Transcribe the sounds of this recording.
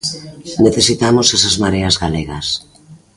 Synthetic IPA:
neθesit̪amosesazmaɾeazɣaleɣa̰s

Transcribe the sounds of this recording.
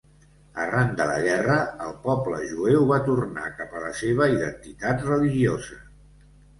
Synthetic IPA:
ərand̪ələ̰ɣɛrəəlˠpɔpləʒuewβat̪urna̰kapələseβ̞əiðənt̪it̪at̪rəliʒiozə

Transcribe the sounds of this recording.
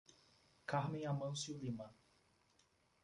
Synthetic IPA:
kaɾmẽj̃amɐ̃w̃siulimɐ̃

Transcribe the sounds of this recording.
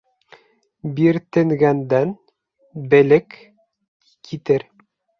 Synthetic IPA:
biɾt̪ɘ̆ŋɡænd̪æn | bɘ̆lɘk | kit̪ɘɾ

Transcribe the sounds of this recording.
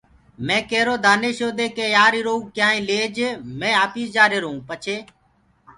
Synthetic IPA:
mẽːkeːɾoːd̪ʱaːneːʃoːd̪eːkeːjaːɾiːɾoːɡkjaːĩːleːd͡ʒeːmẽːaːpiːsd͡ʒaːɾeːɾoũːpət͡ʃʰeː

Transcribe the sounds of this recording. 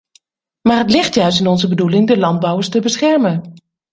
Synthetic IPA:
maːɹɦətlɪχtjœɥs̬ɪnɔnzəbədulɪŋdəlɑnd̚bɑwəɹstəbəsχɛɹmən

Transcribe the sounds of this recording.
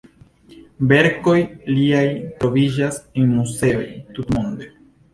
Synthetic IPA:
be̞ɾko̞jliajtɾo̞vid͡ʒasenmuse̞o̞jtutmo̞nde̞

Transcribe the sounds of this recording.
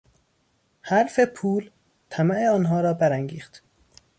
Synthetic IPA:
hæɾfe̞pʰuːl | t̪ʰæmæeɒːnɦɒːɾɒːbæɾæŋɡiːxt̪

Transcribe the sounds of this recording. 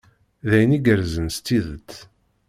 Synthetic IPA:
ðæjəniɡəɾzənst̪ːiðət̪

